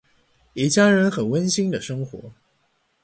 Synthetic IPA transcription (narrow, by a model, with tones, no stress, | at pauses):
i˨˩t͡ɕja˥ɻə˧˥nxə˨˩nwə˥nɕi˥ŋd̪ə˨ʂɤ˥ŋxwɔ̰˧˥